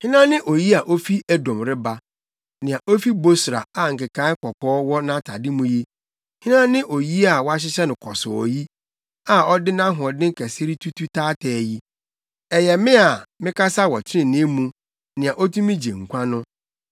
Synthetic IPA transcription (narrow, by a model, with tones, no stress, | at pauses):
hɪ̃˦nã˦nɪ̃˦ʔo˨ji˦a˨ʔo˦fi˦ʔæ˦dɔ̃˨mɾɪ˦ba˨ | nɪ̃˨a˨ʔo˦fi˦bo˦sɾa̰˨a˨ŋ̩˨kɪ˨ka˦ɪ˦kʰɔ˨kʰɔː˦wɔ˦nã˦tʰa˨dɪ˦mũ˦ji˦ | hɪ̃˦nã˦nɪ̃˦ʔo˨ji˦a˨wɔ˦a˦ɕ̬ɪ˦ɕɛ˦nʊ̃˨kʰɔ˨sʊ˨ɔ̰˨ji˦ | a˨ɔ˦dɪ˦nã˦ɦʊ˨ɔ̃˨dɪ̃˦ŋ˦kʰæ˨se˦ɾi˦tʰu˦tʰu˦tʰaː˦tʰɛː˨˦ji˦ | ɛ˨jɛ˨mɪ̃˦a˨mɪ̃˦ka˦sa˦wɔ˨t͡ɕʰɪ˦ɪ̃˨nɪ̃˦mũ˦ | nɪ̃˨a˨ʔo˦tʰũ˦mĩ˦d͡ʑḛ˨ŋ̩˨kʷʰã˦nʊ̃˦